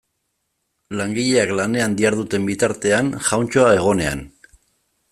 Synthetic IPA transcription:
laŋɡiʎe̞aklane̞and̪iaɾðut̪e̞mbit̪aɾt̪e̞anʝawnt͡ʃo̞ae̞ɣ̞o̞ne̞a̰n

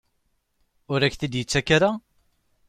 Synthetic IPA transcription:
ʊɾæçθid̪jət͡sːækːaɾa

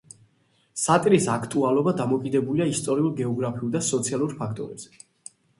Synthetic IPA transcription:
sat̪ʼiɾisakʰt̪ʼualˠɔbad̪amɔkʼid̪ɛbuliaist̪ʼɔɾiulˠɡɛɔɡɾapʰiuld̪asɔt̪sʰialˠuɾpʰakʰt̪ʼɔɾɛbz̥ɛ̥

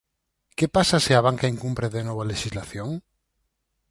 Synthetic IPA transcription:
kepasasɪaβaŋkaeŋkumpɾeðenɔβaleʃizlaθjoŋ

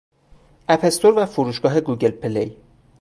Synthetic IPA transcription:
æpʰest̪ʰoɾvæfoɾuːʃɡ̥ɒːɦe̞ɡuːɟe̞lpʰelej

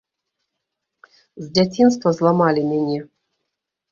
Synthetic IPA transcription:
zʲdʲɛtʲins̬t̪vozlˠɑmɑlʲimʲenʲe

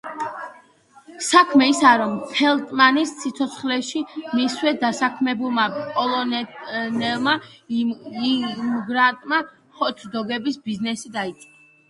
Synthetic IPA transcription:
sakʰmɛisaɾɔmpʰɛlˠt̪ʼmanissit̪sʰɔt̪sʰχlɛʃimiswɛd̪asakʰmɛbulˠmapʼɔlˠɔnnɛlˠma | mɡɾat̪ʼma | χɔt̪ʰd̪ɔɡɛbisbiznɛsid̪ait̪sʼa

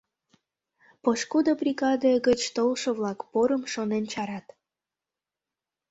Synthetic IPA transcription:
poʃkud̪obrʲiɣɑd̪əɡət͡ɕt̪olʃə̆vlɑkpoɾəmʃonent͡ɕɑɾɑt̪

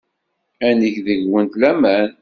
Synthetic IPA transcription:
ænəçðəʝwənt̪læmæn

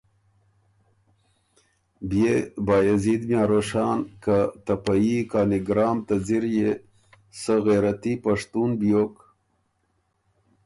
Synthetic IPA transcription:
bjebaːjezid̪mjaːɾoʂɑːnkat̪ɐpajikaːniɡɾɑːmt̪ad͡ziɾje | səɣeɾat̪ipaʂt̪uːnbjok

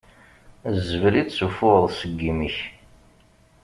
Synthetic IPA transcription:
zəvɾid̪sufʊəðˤsəɡːimiç

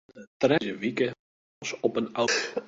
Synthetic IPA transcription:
ətrɛzəʋikə | sɔpəna

